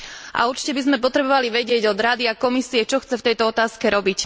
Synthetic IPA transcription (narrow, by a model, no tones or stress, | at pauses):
ʔa̰uɾt͡ʃi̥cɛbizmɛp̬ɔt̪ɾɛbɔʋaliʋɛɟɪɛɟɔd̪ɾad̪iakɔmisiɛt͡ʃɔxt͡sɛft̪ɛjt̪ɔɔt̪aːskɛɾɔbic